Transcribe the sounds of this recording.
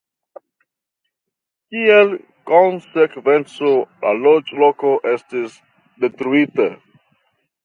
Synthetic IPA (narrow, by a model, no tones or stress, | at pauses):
kiel | konsekvent͡sola̰lod͡ʒlokoʔestis | detɾuita